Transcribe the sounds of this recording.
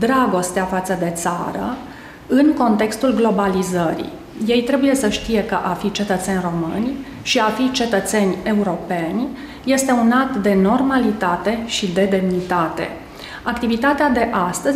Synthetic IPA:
d̪ɾaɡo̞st̪eafat̪səd̪e̞t̪sa̰ɾə̰ | ɨŋko̞nt̪e̞kst̪ulɡlo̞balizəɾḭ | je̞jt̪ɾe̞buje̞səʃt̪ije̞kəʔafit͡ʃe̞t̪ət̪se̞nʲro̞mɨ̰nʲ | ʃiafit͡ʃe̞t̪ət̪se̞nʲe̞uɾo̞pe̞nʲ | je̞st̪e̞unat̪d̪e̞no̞rmalit̪at̪e̞ʃid̪e̞d̪e̞mnit̪at̪e̞̰ | akt̪ivit̪at̪ead̪e̞ʔast̪əz

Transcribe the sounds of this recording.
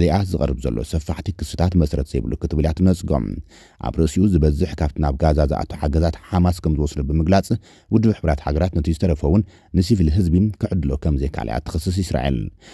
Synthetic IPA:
liʔazɨkʼɐɾɨbzɐ̰lːo̰sɐfːaħt̪ʰikʰɨsɨt̪ʰat̪mɐsɾɐt̪zɐjbɨlukʰɨt̪ɨβljat̪mɐt͡sʼɡo̞̰m | ʔa̰βɾɨʔsiʔuzɨbɐzːɨħkʰaβt̪ʰinaβɡazaza̰ʔa̰t̪ʰuħaɡɐzat̪ħamaskʰɐmzɨwɔsd̪ubɨmɨɡlat͡sʼ | wʊd̪ːɨbħɨbɾat̪ħaɡɐɾat̪nɐt̪ʰizɨt̪ʰɐɾɐfɐwʊnː | ɨsivɨlɦɨzbimkʰɨʕɨd̪ɨlo̞kʰɐmzekʰa̰lḭjʔa̰t̪ʰːɨ̥xɨsːɨs̬jɪsɾa̰ʔḛl

